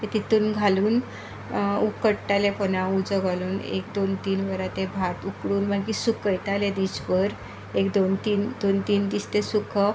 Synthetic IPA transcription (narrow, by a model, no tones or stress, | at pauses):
t̪et̪it̪uːnɡʱaluːn | ukəɽʈalepənãud͡zəɡʱaluːnḛk̚d̪ont̪iːnʋəɾat̪ebʱat̪ukɽuːnbakiːsukəjt̪alẽd̪isbəɾ | ekd̪ont̪iːnd̪ont̪iːnd̪ist̪esukʰə